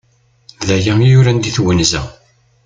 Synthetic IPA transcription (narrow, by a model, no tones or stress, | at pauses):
ðæjæmjʊɾænd̪iθwənzæ